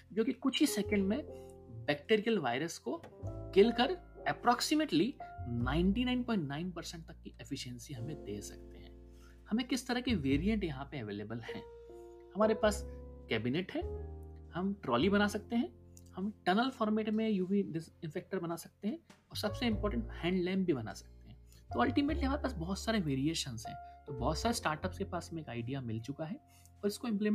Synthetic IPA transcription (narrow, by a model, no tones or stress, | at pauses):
d͡ʒoːkikʊt͡ʃʰisɛːkə̃ɳɖmẽ | bɛːk̚ʈeːɾijəlʋaːɪɾəskokelkɐɾ | ɛpɾɔːksɪmeʈlinãːɪ̃ɳʈinãɪnpɔ̃ːɪ̃ɳʈnaːɪnpɐɾsɛ̃ɳʈ̚t̪ɐkːiʔefʰɪʃə̃nsiɦɐmẽd̪ḛːsɐ̰k̚t̪eɦɛ̰̃ː | hɐmẽkɪst̪ɐɾɐkiʋeːɾijə̃ɳʈjɐɦãpeɐʋeːleːbəlhɛ̰̃ː | hɐmaːɾepaːskɛːbineʈɦɛ̃ːhɐmʈɾɔːlibɐnasɐk̚t̪eɦɛ̃ːhɐmʈɐnəlfɔːɾmeːʈmẽjuːʋiɖɪɪ̃nfɛːk̚ʈəɾbɐnasɐk̚t̪eɦɛ̃ɔːɾsɐbseɪ̃mpɔːɾʈə̃ɳʈhɛ̃ːɳɖlãːmbʱibɐna̰sɐ̥k̚t̪eɦɛ̃ːt̪oɐlʈimeːʈliɦɐmaːɾepaːsbɔɦt̪saːɾeʋeːɾieːʃə̃nzɦɛ̰̃ːt̪oːbɔːt̪saːɾesʈaːɾʈəpskepaːsɐmẽeːkaːɪɖijamɪlt͡ʃʊkaɦɛ | ɔːɾɪskoɪ̃mpleː